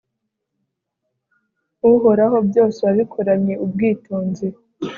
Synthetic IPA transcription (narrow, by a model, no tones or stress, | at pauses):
uɦo̞ɾaɦo̞bjo̞ːseβaβikʰoɾaɲɲe̞ʔubɡiːtoːnzi